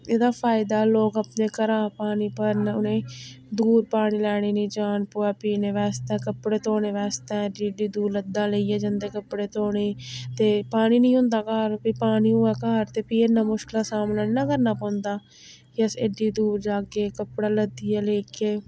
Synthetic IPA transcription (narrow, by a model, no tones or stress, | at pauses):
eːd̪aːpʰaːɪd̪aːloːɡəpneːkəɾaːpaːniːpəɾnʊnẽː | d̪uːɾpaːɽiːlɛːɽ̃eːnĩːd͡ʒaːnpoːɛːpiːneːʋɛːst̪ɛ̃ːkəpɽeːt̪oːneːʋɛːst̪ɛ̃ːɖiɖiːd̪uːɾləd̪ːãːleiːɛːd͡ʒənd̪eːkəpɽeːt̪oːɳeːt̪eːpaːniːnəĩːɦʊ̃nd̪aːkaːɾpiːpaːniːʊːɛːkaːɾt̪eːpienãːmʊʃkɪlaːsaːmnaːnãːkəɾnaːpɔ̃ːnd̪aː | jəseɖiːd̪uːɾd͡ʒaːɡeːkəpɽaːləd̪ijɛːleːkːeː